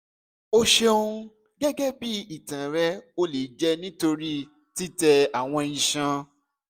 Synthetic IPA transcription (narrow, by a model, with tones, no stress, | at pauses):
o˦ʃe˧o˧ũ˧ | ɡɛ˦ɡɛ˦bi˦i˨tã˨ɾɛ˦o˦le˨d͡ʒɛ˦nĩ˦to˧ɾi˦ | ti˦tɛ˧a˨w̃ɔ̃˧ĩ˧ʃã˧